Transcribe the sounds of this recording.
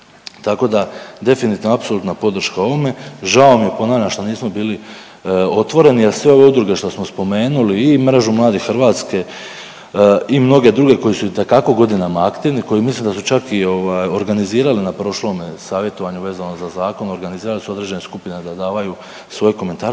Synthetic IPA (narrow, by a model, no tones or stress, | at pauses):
t̪ako̞d̪ad̪e̞finit̪inoapso̞lˠut̪napo̞d̪r̩ʃkao̞ʋo̞me̞ʒao̞mijepo̞naːʋʎamʃt̪oniːsmo̞biːli | o̞t̪ʋo̞ɾe̞nielsʋe̞o̞ʋe̞ud̪ɾuɡe̞ʃt̪o̞smo̞spo̞me̞ːnuliːmɾeʒumlˠaːd̪ixxɾʋaːt̪ske̞ | imno̞ɡe̞d̪ɾuɡe̞ko̞jisuit̪e̞kako̞ɡo̞d̪inamaakt̪iniko̞jimislimd̪asut͡ʃakio̞ʋaːjo̞ɾɡaniziːɾalinapɾo̞ʃlo̞ːmesaːʋje̞t̪o̞ʋaɲuʋe̞ːzano̞zazaːko̞no̞ɾɡaniziːɾalisuo̞d̪ɾe̞d͡ʑe̞neskupined̪ad̪aːʋaju | sʋo̞jeko̞me̞nt̪aːɾ